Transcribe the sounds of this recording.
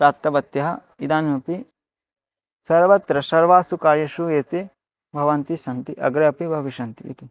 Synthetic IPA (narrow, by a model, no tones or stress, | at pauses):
pɾaːp̚t̪ːɐbɐt̪jɐɦɐ | id̪aːnmɐpi | sɐɾʋɐt̪ɾɐsɐɾʋaːsukaːɾjɐʃueːt̪e | bʱɐʋɐnt̪isɐnt̪iʔɐ̰ɡɾɐɐpibʱɐʋiʃɐnt̪iḭt̪i